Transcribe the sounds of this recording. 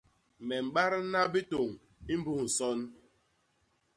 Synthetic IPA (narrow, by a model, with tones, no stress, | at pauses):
me˨ŋ͡m̩˨ɡ͡ba˦ɾɪ˦na˦bi˦to˨ŋ̩˨ | i˦m̩˦bu˦hu˨sɔ˦n̩˦